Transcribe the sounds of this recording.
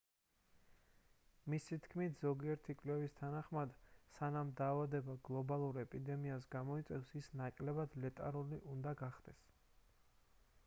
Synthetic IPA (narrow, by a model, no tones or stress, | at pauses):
misit̪ʰkʰmit̪ʰz̥ɔɡiɛɾt̪ʰikʼlɛvist̪ʰanaχmad̪sanamd̪aːvad̪ɛbaɡlˠɔbalˠuɾɛpʼid̪ɛmiasɡamɔit̪sʼɛfsisnakʼlɛbad̪lɛt̪ʼaɾuliʔund̪aɡaχd̪̥ɛs